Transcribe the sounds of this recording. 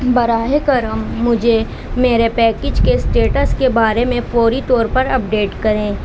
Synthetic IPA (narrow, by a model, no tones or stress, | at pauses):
bɐɾaːɦekɐɾəmːʊd͡ʒʱe | meːɾepɛːked͡ʒkesʈeːʈəskebaːɾemẽpoːɾit̪ɔːɾpɐɾɐp̚ɖeːʈkɐɾẽː